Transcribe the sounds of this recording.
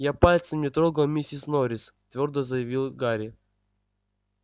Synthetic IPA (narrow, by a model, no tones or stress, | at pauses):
japalʲt̪sɨmnʲɪt̪ɾoɡəlˠmʲisʲɪsnoɾʲɪst̪vʲo̞rd̪əzəjɪvʲilˠɡaɾʲɪ